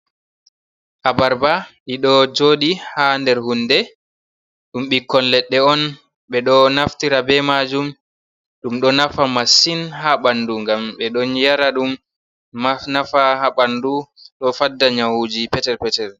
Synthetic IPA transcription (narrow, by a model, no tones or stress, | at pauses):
ʔabaɾbaʔiɗɔd͡ʒoːɗihandɛɾhundɛ | ɗumɓikːɔnlɛɗːɛɔn | ɓɛɗɔnaftiɾabɛmad͡ʒum | ɗumɗɔnafamasinhaɓanduŋɡamɓɛɗɔnjaɾaɗum | anafahaɓanduɗɔfadːaɲawud͡ʒipɛtɛɾpɛtɛɾ